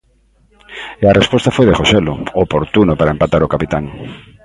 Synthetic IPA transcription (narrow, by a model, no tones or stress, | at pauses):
earespost̪afojðexoseloopoɾt̪unopaɾaẽmpat̪aɾokapit̪aŋ